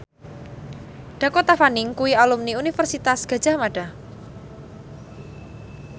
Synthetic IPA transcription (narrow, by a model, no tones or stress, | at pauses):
ɖ̥akot̪afanɪŋkuwialumniunifərsit̪asɡ̥ä̤d͡ʒ̥a̤maɖ̥ah